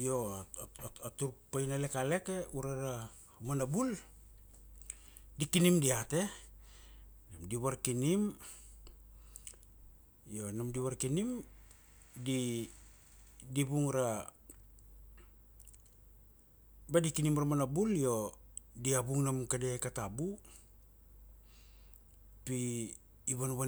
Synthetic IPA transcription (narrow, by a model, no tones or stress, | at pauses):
jo̞aatuɾpajnale̞kale̞ke̞uɾaɾa | manabul | dikinimdiate̞ | namdiβaɾkinim | jo̞namdiβaɾkinim | di | dibuŋɾa | badikinimɾamanabuljo̞diabuŋnamkadekatabu | piː | βanuβa